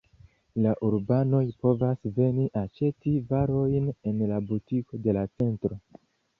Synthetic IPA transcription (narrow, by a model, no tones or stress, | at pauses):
laʔuɾbano̞jpo̞vasve̞niʔat͡ʃe̞tivaɾo̞jne̞nlabutiko̞de̞lat͡se̞ntɾo̞